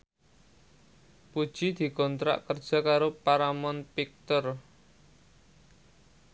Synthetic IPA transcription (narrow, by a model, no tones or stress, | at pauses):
pud̥ʒ̥id̪̥i̤kɔnt̪ɾa̰ʔkərd̥ʒ̥a̤kaɾopaɾamɔnpik̚t̪ɔr